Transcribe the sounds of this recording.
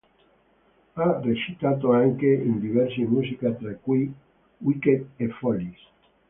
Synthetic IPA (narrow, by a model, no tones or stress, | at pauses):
aret͡ʃit̪at̪̬oaŋkeind̪ivɛɾsimuzikat̪ɾakuj | wiket̪efɔlis